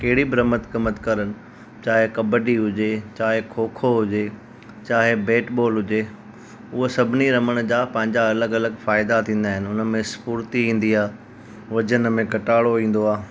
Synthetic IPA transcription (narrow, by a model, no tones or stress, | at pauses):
kɐɦɪɽibɾəmət̪kɐmət̪kɐɾənɪ̆ | t͡ɕaːɦekɐbəɖiɦʊd͡ʑet͡ɕaːɦekʰoːkʰoɦʊd͡ʑe | t͡ɕaːɦebeːʈboːlɦʊd͡ʑe | ʊɦosɐbʱɪniɾɐməɽ̃d͡ʑaːpɐ̃ɦɪ̃ɲd͡ʑaɐləɡɐləɡfaːɪd̪at̪ʰĩːn̆d̪aːɦɪnɪ̆ʊnəmẽspuːɾt̪iĩːn̆d̪iaː | ʋɐd͡ʑənmẽkɐʈaːɽoʋĩːn̆d̪oaː